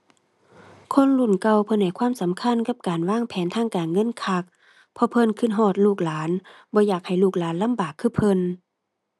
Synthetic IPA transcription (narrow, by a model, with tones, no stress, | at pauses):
kʰo˧˥˨nlu˧˩nka˧˩wpʰɤ˧˨nha˧˩jkʰwaː˧˥˨msa˨˦mkʰa˧˥˨nka˧˥p̚kaː˨˩nwaː˧˥˨ŋpʰɛː˨˦nt̪ʰaː˧˥˨ŋkaː˨˩nŋɤ˧˥˨nkʰa˧˩k̚ | pʰɔ˧pʰɤ˧˥˨nkʰɯ˧˥˨nɦɔː˧˩t̪̚luː˧˩k̚laː˨˦n | bɔː˧˦jaː˧˩k̚ha˧˩jluː˧˩k̚laː˨˦nla˧˥˨mbaː˨˩kʰːɯː˧˩pʰɤ˧˨n